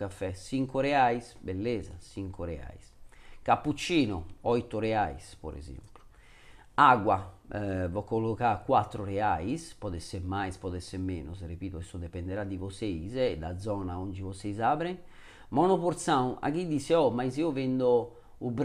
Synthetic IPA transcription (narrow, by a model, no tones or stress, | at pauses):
afɛsiŋkuɾɛaisbelːɛːza̰siŋkʰuɾɛa̰iskapːut͡ʃːiːnuɔjt̪ːuɾɛajspo̰ɾɛ̰zḛmplu̥ | aɡwa | vɔkːolːokakːwat̪ːɾuɾɛajispɔd̪ɛsɛmajspɔd̪ɛsɛmɛːnusrepiːt̪oɛsɔd̪ɛpɛnd̪ɛɾad̪ːivoseizd̪a̰d̪zɔːnaond͡ʒivosezabɾɛŋ | maunɔpoɾt̪saw̃na̰k̟id̪isɛɔmaiziovend̪o | ub